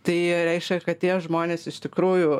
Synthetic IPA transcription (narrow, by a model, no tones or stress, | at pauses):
t̪ɐɪɾʲɛɪʃʲkʲɛkɐt̪̚t̪ʲiɛʒmoːnʲeːsɪʃʲt̪ʲɪkɾuːjʊ